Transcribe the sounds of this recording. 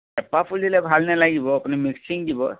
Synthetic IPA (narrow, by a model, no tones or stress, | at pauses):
ɛpapʰulilɛbʱalnɛlaɡibɔapunimiksiŋdibɔ̰